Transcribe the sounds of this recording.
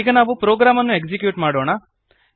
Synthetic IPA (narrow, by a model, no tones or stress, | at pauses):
iːɡɐnaːʋupɾoːɡɾaːmɐnːuekd͡ʒikjuːʈmaːɽoːɳa